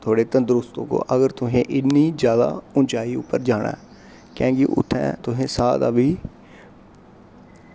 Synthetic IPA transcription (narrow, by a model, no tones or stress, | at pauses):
t̪ʰoːɽeːt̪ə̃nd̪əɾʊst̪o̰ːko̰ːʔəɡəɾt̪ʊɦẽːʔɪnːiːd͡ʒjaːd̪a̰ːʊnt͡ʃaːiːʊpːəɾd͡ʒaːɳʔã̰ɛː | kɛ̃ːɡiʔʊ̰t̪ʰːɛ̰̃ːt̪ʊɦẽːsaːd̪a̰ːʋiː